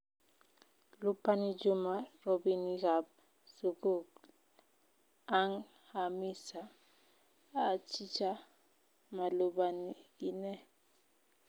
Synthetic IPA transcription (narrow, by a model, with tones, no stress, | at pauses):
lu˦pʰa˦ni˦d͡ʒu˦ma˨ro˨bi˦ni˦ɣa˨b | su˨ku˨ | a˦ŋ | ha˨mi˦sa˨ | t͡ʃʰi˦t͡ʃʰa˦ | ma˨lu˦ɓa˨nii˦nɛ˦